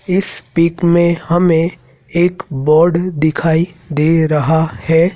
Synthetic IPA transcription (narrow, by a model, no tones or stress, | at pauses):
ɪspiːkmẽhɐmẽ | eːkbɔːɾɖd̪ɪkʰaːid̪eːɾɐɦahɛː